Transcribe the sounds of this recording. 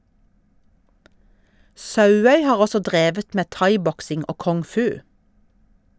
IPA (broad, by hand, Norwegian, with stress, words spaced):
ˈsɑʉˌœʏ ˈhɑːʁ ˈɔsɔ ˈdʁeːʋət ˈmeː ˈtɑɪˌbɔksɪŋ ˈoː kɔŋˈfʉː